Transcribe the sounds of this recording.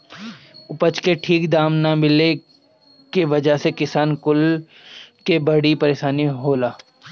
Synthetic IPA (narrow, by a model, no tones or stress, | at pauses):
ʊpət͡ʃkeʈʰiːkd̪aːmnɐmɪle | kiʋɐd͡ʒəɦsekɪsaːnkʊl | kebɐɽipɐɾeːʃaːniɦoːlaː